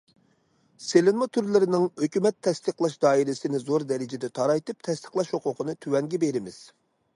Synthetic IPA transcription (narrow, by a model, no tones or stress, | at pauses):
selɪnmɑt̪ʰyɾlɪɾɪnɪŋhøkʲymɛt̪ʰːɛst̪əqlˠɑʃd̪ɑːiɾɪsɪnɪzoɾd̪ɛɾɪd͡ʒɪd̪ɛt̪ʰɑɾɑjt̪ɨp̚t̪ʰɛst̪ʰə̥χlˠɑʃhoqʰʊqʰənɨt̪ʰywɛŋɡʲɛbeɾɪmɪz̥